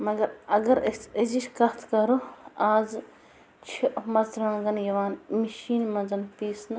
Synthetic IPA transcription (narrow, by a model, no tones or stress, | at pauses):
mɐɡɐɾɐɡɐɾɐd͡ʒiʃkɐt̪ʰkɐɾoaːz | t͡ʃʰiʔmɐzɾãːɡɐnjɐʋaːnmiʃiːnmɐnzɐnpiːsn